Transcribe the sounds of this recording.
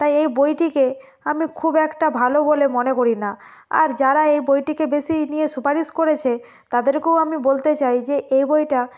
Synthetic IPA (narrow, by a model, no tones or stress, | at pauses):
t̪ajejbojʈike | amikʰubɛkʈabʱalobolemonekoɾina | a̰ɾd͡ʑaɾaejbojʈikebesinijeʃupaɾiʃkoɾet͡ɕʰe | t̪ad̪eɾkewamibolt̪et͡ɕajd͡ʑeʔejbojʈa